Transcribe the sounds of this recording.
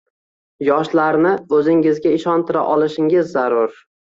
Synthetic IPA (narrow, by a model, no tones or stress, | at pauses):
jɒʃlaɾnɪɵzɪŋɪzɡʲaɪʃɒnt̪ʰɪɾa̰ʔɒlˠɪʃɪŋɪzːaɾʊɾ